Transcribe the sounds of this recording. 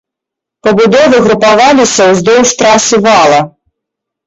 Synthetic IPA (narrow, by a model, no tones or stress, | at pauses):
pɐbud̪ɔvɨɣɾupavalʲisʲɐwzd̪ɔwʂt̪ɾasʲɨvalˠɐ